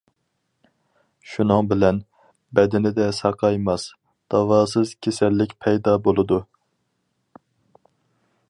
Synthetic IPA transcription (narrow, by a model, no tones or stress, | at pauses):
ʃunɨŋbɪlɛn | bɛd̪ɪnɪd̪ɛsɑqʰɑjmɑs | d̪̥ɑvɑːsɨz̥kʲʰesɛlːɪkʲpʰɛjd̪ɑbolˠɨd̪u